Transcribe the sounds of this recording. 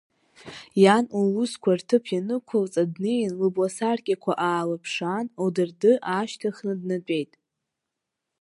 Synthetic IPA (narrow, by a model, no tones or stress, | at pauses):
januuskʷʰartʰɨpʰjanɨkʷʰɨlt͡sʼadnejanlɨblasarkʲʼakʷʰaʔaːlapʰʂanowdɨrdɨʔaʃtʰaχnɨdnat͡pʷʼe̞jtʼ